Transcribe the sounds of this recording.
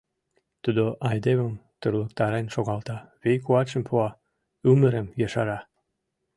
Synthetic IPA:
t̪ud̪oʔɑjd̪eβəmt̪urlək̚t̪ɑɾenʃoɣɑlt̪ɑβejkuɑt͡ɕə̆mpʰuɑ | yməɾəmjɑʃɑɾɑ

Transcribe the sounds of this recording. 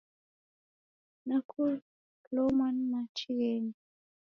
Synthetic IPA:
nakul | lomanmat͡ʃiɣeni

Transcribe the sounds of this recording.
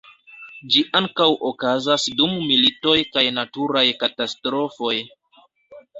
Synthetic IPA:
d͡ʒiʔaŋkawokazasdummilito̞jkajnatuɾajkatastɾo̞fo̞j

